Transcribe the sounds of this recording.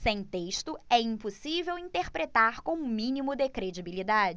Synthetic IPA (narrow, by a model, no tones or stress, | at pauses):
sẽj̃t̪eʃt̪ʊɛĩposivewĩt̪eɾpɾet̪aɾkõũmĩnimʊd̪ekɾed͡ʒibilid̪ad͡ʒɪ